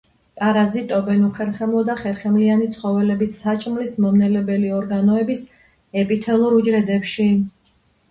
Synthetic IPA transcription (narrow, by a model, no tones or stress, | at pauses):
kʼaɾazit̪ʼɔbɛnuχɛɾχɛmlˠɔd̪aχɛɾχɛmlianit̪sʰχɔvɛlɛbisːat͡ʃʼmlismɔmnɛlɛbɛliɔɾɡanɔɛbis | ɛpʼit̪ʰɛlˠuɾud͡ʒɾɛd̪ɛpʃi